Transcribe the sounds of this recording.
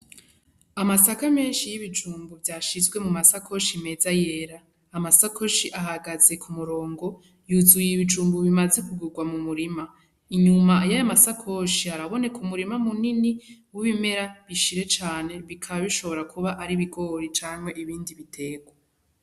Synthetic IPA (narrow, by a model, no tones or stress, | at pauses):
amasakame̞ːnʃijiβid͡ʒuːmbuvjaʃizɡwe̞mumasakʰo̞ʃime̞zaje̞ɾaː | masakʰo̞ʃiʔaɦaɡaze̞kʰumuɾo̞ːŋɡo̞ | juzujiβid͡ʒuːmbuβimaze̞kuɡuɡwamumuɾima | iɲumajajamasakʰo̞ʃiaɾaβo̞ne̞kʰumuɾimamuniniwiβime̞ɾaβiʃiɾe̞t͡ʃaːne̞βikʰaβaβiʃo̞βo̞ɾakʰuβaʔaɾiβiɡo̞ɾit͡ʃaːmhe̞ʔiβiːndiβitʰe̞ːɡwa